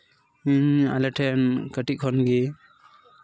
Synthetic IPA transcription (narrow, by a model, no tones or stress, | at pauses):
iɲa̰lɛʈʰɛnkəʈikʰɔnɡi